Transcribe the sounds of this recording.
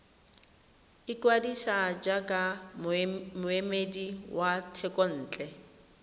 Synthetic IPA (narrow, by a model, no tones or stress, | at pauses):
ikʼwadisad͡ʒakʼa | mʊemediwʔatʰɛkʼɔn̩ːt͡ɬʼɛ